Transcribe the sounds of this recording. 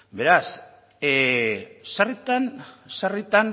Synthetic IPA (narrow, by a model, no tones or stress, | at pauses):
be̞ɾas | sarit̪ansarit̪an